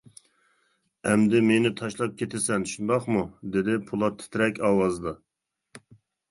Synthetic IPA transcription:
ɛmd̪ɪmenɪt̪ʰɑʃlˠɑp̚kʲʰet̪ʰɪsɛnʃund̪ɑχmud̪ɪd̪ɪpʰulˠɑt̪ʰɪ̥t̪ʰɾɛkʲɑːwɑzɨd̪ɑ

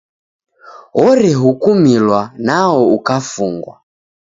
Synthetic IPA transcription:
ɔɾɛɦukumilwanaɔukafuŋɡwa̰

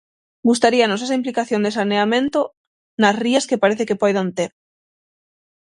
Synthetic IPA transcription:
ɡust̪aɾianos̬es̬aimplikaθjond̪esaneamẽnt̪o | nazriaskepaɾeθekepojðant̪eɾ

